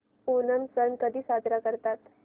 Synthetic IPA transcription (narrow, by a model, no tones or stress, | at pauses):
onənsənkəd̪ʱiːsad̪ɾakəɾt̪at̪